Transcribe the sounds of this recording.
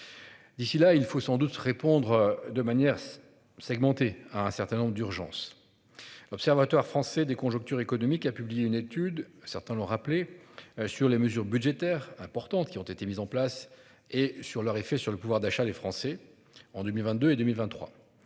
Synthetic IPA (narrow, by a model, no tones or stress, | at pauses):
d̪isilailfosɑ̃d̪ut̪ʁepɔ̃d̪ʁd̪əmanjɛʁ | sɛɡmɑ̃t̪eaɛ̃sɛʁt̪ɛ̃nɔ̃bʁəd̪yʁʒɑ̰̃s | lɔpsɛʁvat̪waʁfχɑ̃sɛd̪ekɔ̃ʒɔ̃k̚t̪yʁekɔnɔmikapyblijeynet̪yd̪sɛʁt̪ɛ̃lɔ̃ʁaplesyʁleməzyʁbyd̪ʒet̪ɛʁɛ̃pɔʁt̪ɑ̃t̪kʲiɔ̃t̪et̪emizɑ̃plas | esyʁlœʁefɛsyʁləpuvwaʁd̪aʃad̪efχɑ̃sɛ | ɑ̃d̪ømilvɛ̃t̪̚d̪øed̪ømilvɛ̃nt̪ːχwa̰